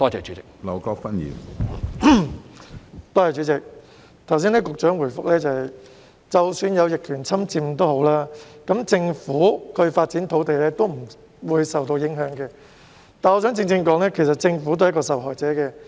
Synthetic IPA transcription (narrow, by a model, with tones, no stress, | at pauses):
t̪ɔː˥t͡ʃʰɛ̰ː˨˩t͡ʃy˨˥t͡sɪ˨k̚lɐ˨wkɔː˧k̚fɐ˥njḭː˨˩n | t̪o˥hɐ˨jt͡ʃyː˨˥t͡sɪ˨k̚ | t̪ʰɐ˨˩wsi˥ni˥kʊ˨k̚t͡ʃœː˨˥ŋwuː˨˩jfʊ˨˥k̚lɛː˥t͡sɐ˨hɐ˨j | t͡sɐ˨wsyː˧njɐ˨˧wjɪ˨k̚kʰyː˨˩nt͡sʰɐ˥mt͡siː˧m˨t̪o˥wɦo˨˧˥wlaː˥kɐ˨˥mt͡sɪ˧ŋfuː˨˥kʰɵ˨˧ɥfaː˧t̚t͡siː˨˥nt̪ʰo˨˥wt̪e˨jlɛː˥t̪o˥wm̩˨˩ | wuː˨˧jsɐ˨wt̪o˧wjɪ˨˥ŋɦœː˨˥ŋkɛː˧ | t̪aː˨˩nɔ˨˧s̬œː˨˥ŋt͡sɪ˧ŋt͡sɪ˧ŋkɔː˨˥ŋlɛː˥kʰe˨˩js̬ɐ˨˩t̚t͡sɪ˧ŋfu˨˥t̪o˥˨˦kɔː˧sɐ˨wɦɔː˨˩jt͡sɛː˨˥kɛː˧